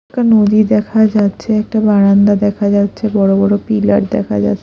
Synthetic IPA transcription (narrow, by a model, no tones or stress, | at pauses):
kanod̪id̪ɛkʰad͡ʑatːɕʰeɛk̚ʈabaɽand̪ad̪ɛkʰad͡ʑatːɕʰebɔɽobɔɽopilaɾd̪ɛ̰kʰa̰d͡ʑa̰tːʰe